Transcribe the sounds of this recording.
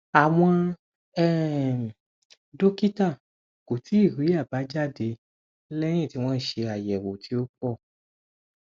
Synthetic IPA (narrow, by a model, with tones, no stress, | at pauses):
a˨w̃ɔ̃˧ | ɛ˦˨ | do˦ki˦ta˦˨ | ko˨tʰi˨˦i˦˨ɾi˨˦a˦˨ba˨˦d͡ʒa˦˨de˧ | lɛ˦j̃ĩ˦˨ti˨˦w̃ɔ̃˦i˦˨ʃe˧a˨jɛ˨wo˨tʰi˨˦o˦k͡pɔ˦˨